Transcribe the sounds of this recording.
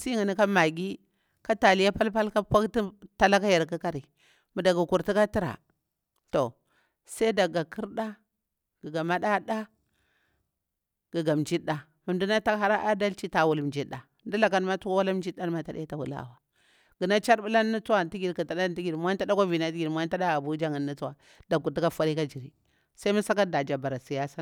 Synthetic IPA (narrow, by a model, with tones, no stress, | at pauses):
si˦ŋi˨ni˦ka˦ma˨ɡʲi˦ | ka˦ta˨li˦ja˦pa˦lpa˦lka˦pa˦kti˦ta˨la˦ka˦ja˨ɾka˦ka˦ɾi˨ | mu˨da˨ɡu˨ku˨ɾti˦ka˦ti˦ɾa̰˨ | to˨ | sa˦da˨ɡa˨kʰi˦ɾɗa˦ | ɡ̥i˨ɡa˨ma˦ɗa˦ɗa˦ | ɡ̥ə˨ɡa˨md͡ʒi˦ɗa˨ | mu˨ndu˦na˦ta˦kɦa˦ɾa˦ʔa˦da˦lt͡ʃi˦ta˨wu˨lmd͡ʒi˦ɗa˨ndu˦la˨ka˦n˦ma˦tu˦ka˦wa˦la˦m˦d͡ʒi˦da˦n˦ma˦ta˨ɗa˦ta˨wṵ˨la̰˦˨wa˨ | ɡ̥i˨na˦t͡ʃa˦ɾɓu˦la˦nː˦u˦t͡su˦wa˦˨nti˦ɡi˨ɾka˨ta˨da˦n˦ti˦ɡi˨mʷ˦a˦n˦a˦da˦ka˦vi˨na˨˦ti˦ɡi˨mʷ˦a˦n˦ta˦da˦a˨bu˦d͡ʒa˦ŋi˨nːi˦t͡su˦wa˨ | da˨kːu˨ɾti˦ka˦fa˦ɾi˦ka˦d͡ʒi˨ɾḭ˨ | sa˦i˦mu˦sa˦ka˦da˨d͡ʒa˨ba˨ɾa˨si˨ja˦sa˦